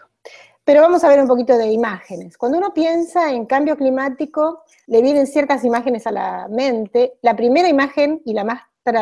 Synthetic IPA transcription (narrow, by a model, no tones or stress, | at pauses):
peɾo̞βamo̞saβ̞eɾumpo̞kit̪o̞ðe̞imaxene̞skwand̪ouno̞pje̞nsaeŋkambjo̞klimat̪iko̞ | le̞β̞je̞ne̞nsjeɾt̪asimaxe̞ne̞sala̰mẽ̞nt̪e̞lapɾime̞ɾaimaxe̞nilamas | t̪ɾa